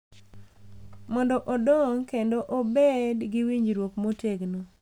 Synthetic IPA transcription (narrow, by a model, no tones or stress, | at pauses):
mɔndɔʔodɔŋkendoʔobedɡɪwiɲd͡ʒɾwokmoteɡno